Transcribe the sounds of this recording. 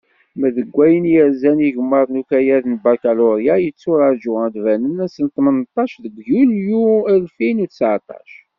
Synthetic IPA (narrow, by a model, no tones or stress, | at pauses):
məðəɡʷːæjənjəɾzæniʝəmːəɾˤnukæjæðnbaɾkæloɾjajət͡sːʊɾˤɑɾˤd͡ʒʊʁæd̪vænənæsənt̪ˤmənt̪ˤːɑʃðəɡʷjuljuælfinuθəsʕt̪ˤɑ̰ʃ